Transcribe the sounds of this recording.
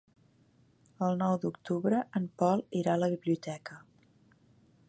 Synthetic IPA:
əlˠnɔwd̪ukt̪uβɾəʔəmpɔlˠiɾaləβiβliut̪ɛkə

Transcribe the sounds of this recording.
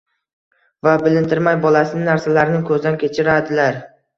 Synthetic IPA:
vabɪlɪnt̪ʰɪɾmajbɒlasɪnɪnaɾsalaɾnɪkʰɵzd̪ankʲʰe̞t͡ʃʰɪɾad̪ɪlaɾ

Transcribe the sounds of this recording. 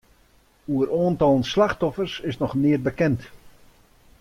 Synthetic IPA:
uəɾoːəntɔlˠənslaxtɔfərsɪsnɔχnɪərbəkɛnt

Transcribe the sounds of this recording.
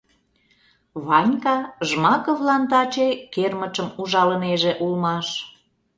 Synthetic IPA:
βɑnʲkɑʒmɑkovlɑnt̪ɑt͡ɕekermət͡ʃəmuʒɑləneʒeʔulmɑʃ

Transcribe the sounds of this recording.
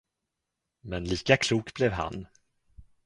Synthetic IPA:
mɛnliːkakʰluːkblɛvɦa̰n

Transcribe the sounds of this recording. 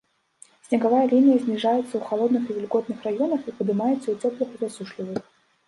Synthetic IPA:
sʲnʲɐɡavajɐlʲinʲijɐzʲnʲiʐajɛt̪sːɐuxalˠɔd̪nɨxivʲilʲɡɔt̪̚nɨxrajɔnɐxipɐd̪ɨmajɛt̪sːɐut͡sʲɔplʲˠixɨvʲasuʂlʲivɨx

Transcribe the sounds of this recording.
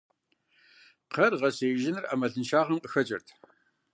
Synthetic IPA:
qʰɐrʁɐseːʒɪnɨrʔa̰mɐɮɨnʃaːʁɐmqʼəxɐt͡ʃʼɐ̰rtʰ

